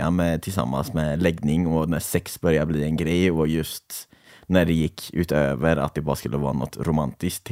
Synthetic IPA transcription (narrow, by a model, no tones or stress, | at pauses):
ɑ̰mɛt̪ʰɪlsɑ̰mːɑ̰nsmɛlɛɡnɪŋɔnæsɛksbœɾjɑbliːɛnɡɾæɪɔjʉst̪ | næɖ̪ɛjɪkʰːʉ̰ːt̪øːʋəɾɑ̰t̪̚d̪ɛbɑːɾəskʉlːəʋɑ̰ːɾənɔ̰t̪ʰːɾʊmɑnt̪ɪskt̪